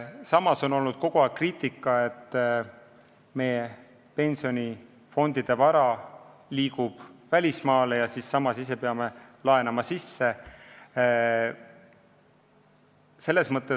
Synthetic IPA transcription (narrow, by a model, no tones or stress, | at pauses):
sɑmɑso̞no̞lnud̪̥ko̞ɡ̥oɑkriːt̪ˑːikːˑɑe̞t̪ˑː | me̞je | pe̞nʲsio̞nʲi | fo̞nd̪̥id̪̥e̞vɑɾɑliːkub̥vælʲismɑːle̞jɑsisːɑmɑsis̬e̞peɑme̞lɑe̞nɑmɑsisːe̞ | se̞lːe̞smɤt̪ːˑe